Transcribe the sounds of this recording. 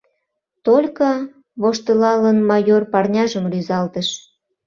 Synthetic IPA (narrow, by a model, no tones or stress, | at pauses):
t̪olʲkə | βoʃt̪əlɑlənmɑjorpɑrnʲɑʒəmryzɑlt̪əʃ